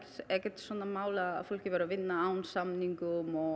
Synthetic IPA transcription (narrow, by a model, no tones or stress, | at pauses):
ɾɛhcɛt̪swɔːnamaːwla̰fowl̥cɪvɛɾavɪnːaaːwnsamniŋkʏmɔ